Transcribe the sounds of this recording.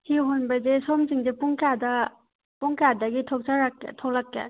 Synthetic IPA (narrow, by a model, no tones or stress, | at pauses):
hiɦonbazesɔmziŋzepuŋkada | puŋkadaɡitʰɔk̚saɾakːḛtʰɔklakːḛ